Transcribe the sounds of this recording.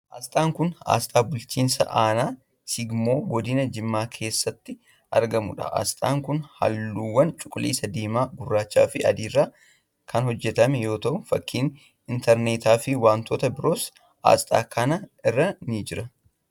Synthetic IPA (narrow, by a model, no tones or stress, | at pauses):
ʔast̪ʼaːŋkʊna̰ːst̪ʼaːbʊlt͡ʃiːnsɐ̰ʔaːnaː | sɪɡmo̞ːɡɔd̪ɪnɐd͡ʒɪmːaːkʰe̞ːsːɐt̪ːɪ | ʔɐ̰ɾɡɐmʊ̰ᶑɐ̰ʔɐ̰st̪ʼaːŋkʊnhɐ̰lːuːwːɐnt͡ʃʼʊ̥kʼːʊlʔḭːsɐd̪eːmaːɡʊrːaːt͡ʃːa̰ːfɪʔɐ̰d̪iːrːaː | kʰɐnhɔd͡ʒːɛt̪ɐmɛjo̞ːt̪ɐʔʊfɐkːiːn | ɪnt̪ɛɾneːt̪aːfɪwaːnt̪oːt̪ɐbɪɾo̞ːs | ʔa̰ːst̪ʼa̰ːkʰɐnɐɪrːɐnɪd͡ʒɪɾɐ